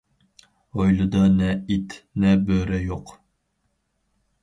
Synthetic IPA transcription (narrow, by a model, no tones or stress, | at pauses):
ojlˠɨd̪ɑnɛit̪nɛbøɾɛjoq